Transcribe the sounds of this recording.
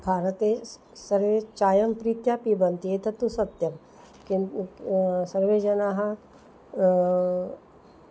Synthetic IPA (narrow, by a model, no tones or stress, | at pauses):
bʱaːɾət̪eː | sɐɾʋeːt͡ʃaːjɐmpɾiːt̪jaːpibɐnt̪ieːt̪ʰɐt̪usɐt̪jɐm | k | sɐɾʋeːd͡ʒɐnaːɦɐ